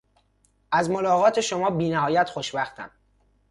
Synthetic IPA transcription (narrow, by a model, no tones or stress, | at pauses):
ʔæzmo̞lɒːɣɒːt̪ʰe̞ʃomɒːbiːnæɦɒːjæt̪xoʃbæxt̪ʰæ̰m